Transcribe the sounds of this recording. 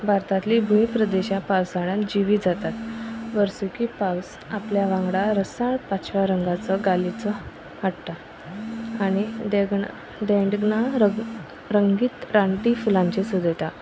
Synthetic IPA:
bʱaɾt̪at̪libʱuĩpɾəd̪eɕapawsaɽ̃ãd͡ʑiʋiːd͡zat̪at̪ʋəɾsukiːpaws | apljaʋãŋɡɽaɾəsaɳpat͡ɕʋaɾəŋɡat͡səɡalit͡sə | ɦaʈt̪a | aɽ̃iɖeɡɳa | ɖẽɳɖɡnaɾə | ɾəŋɡiːt̪ɾaɳʈifulãɲt͡ɕesud̪ʱet̪a

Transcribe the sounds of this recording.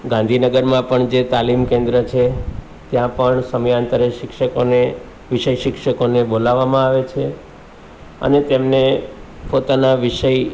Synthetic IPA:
ɡãnd̪ʱinəɡəɾmãpəɳd͡ʒet̪alimkẽnd̪ɾət͡ʃʰe | t̪jãpəɳsəməjãnt̪əɾəʃɪkʃəkone | ʋɪʃəjʃɪkʃəkonebolaʋːamãaʋet͡ʃʰe | ə̰net̪emne | pot̪anaʋɪʃəj

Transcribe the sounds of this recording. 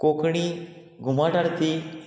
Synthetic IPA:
kokɳiː | ɡʱumaʈaɽt̪i

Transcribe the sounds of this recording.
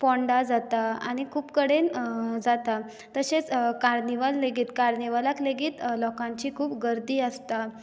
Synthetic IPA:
pɔ̃ɳɖad͡zat̪aaɽ̃ikʰuːpkəɽend͡zat̪a | t̪əɕet͡skaɾniʋalːeɡiːt̪kaɾniʋalakleɡiːt̪lɔkãɲt͡ɕiːkʰuːpɡəɾd̪iːəst̪a

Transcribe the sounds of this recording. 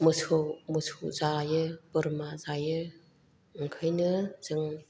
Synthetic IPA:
mɯsʰomɯsʰuzajɯbɯɾmazajɯ | ŋkʰajnɯzɯŋ

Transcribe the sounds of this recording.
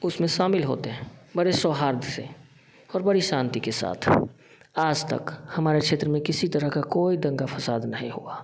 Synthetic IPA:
ʊsmẽʃaːmɪlɦo̰ːt̪eɦɛ̃ːbɐɽesɔːɦaːɾd̪ʱsḛ̃ | ɔːɾbɐɽiʃãːnt̪ikesa̰ːt̪ʰ | aːd͡ʒt̪ɐ̰khɐmaːɾekʃʰeːt̪ɾəmẽkɪsit̪əɾəɦkakoːid̪ɐ̃ŋɡafʰɐsaːd̪nɐɦĩɦuaː

